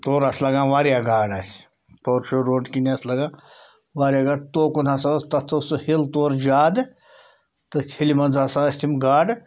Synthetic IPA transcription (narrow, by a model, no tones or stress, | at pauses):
t̪oːɾɐslɐɡãːʋaːɾjaːɡaːɖaːsʲ | poːɾʃoɾoːɖkiniɐslɐɡãː | ʋaːɾʲjaːɡaːɖ̚t̪oːkunasast̪ɐt̪ʰːɐshilt̪oːɾd͡ʒaːd̪ | t̪ɨt͡ʃʰilimɐnzasaɐsʲt̪ʰimɡaːɖ